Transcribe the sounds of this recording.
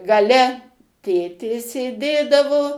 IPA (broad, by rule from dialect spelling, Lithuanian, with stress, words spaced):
ɡɐˈlʲɛ ˈtʲeːtʲeː sʲeːˈdʲeːdɐʋoː